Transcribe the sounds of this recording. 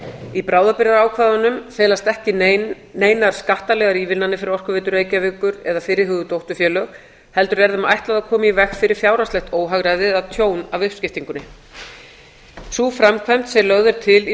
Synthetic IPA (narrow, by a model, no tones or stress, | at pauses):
ipɾaːwðapɪɾaɾaːwkʰvaːðanʏmfeːlast̪ɛhcɪ | neːjnaɾ̥skaht̪alɛɣaɾiːvɪlnanːɪfɪɾɪɾɔr̥kʏvɪːt̪ʏɾeːjcavɪːkʏɾɛðafɪːɾɪɾɦʏːɣðʏt̪owht̪ʏfjɛːlœɣ | hɛl̪t̪ʏɾɛɾðama̰jht̪laðakʰɔːmaivɛxfɪɾɪɾ̥fjaːwɾast̪ɛht̪oːwɦaɣɾajðɪðaðt̪ʰjoːwnavʏhpscɪft̪iŋkʏnɪ | sufɾamkʰvajm̥t̪sɛlœɣðʏɾ̥t̪ʰɪli